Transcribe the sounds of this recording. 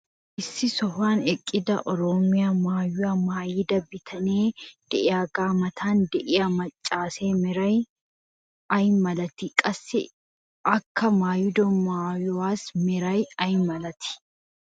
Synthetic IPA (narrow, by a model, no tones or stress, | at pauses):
ʔɪsːɪsɔfaːnɛkʼːɪd̪ɐʔɔɾɔmɪjaːmaːjʊamaːjiːd̪ɐbɪt̪ʰɐneːd̪̥ɛʔɪaːɡaːmɐt̪ʰaːnd̪ɛʔɪɐmɐt͡ʃʼːaːseːmɪɾɐj | ɐjmɐlɐt̪ɪkʼɐsːɪ̰ | ʔɐkːɐmaːjʊd̪ɔmaːjɔwaːsmɪɾɐjɐjmɐlɐt̪ɪ̥